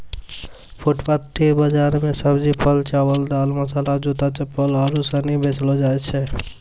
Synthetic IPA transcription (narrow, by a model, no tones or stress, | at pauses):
pʰuʈpat̪ːebəd͡ʒaɾmesəbd͡ʒipʰəlt͡ʃawəld̪alməsalad͡ʒut̪at͡ʃəpːələɾusə̃nibet͡ʃlɔd͡ʒaɛt͡ʃʰɛ